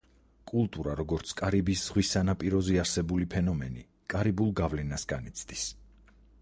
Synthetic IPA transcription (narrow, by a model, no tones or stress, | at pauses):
kʼulˠt̪ʼuɾaɾɔɡɔɾt̪sʰkʼaɾibisz̥ʁwisanapʼiɾɔziaɾsɛbulipʰɛnɔmɛ̰ni | kʼaɾibulˠɡavlɛnasɡanit̪sʰd̪is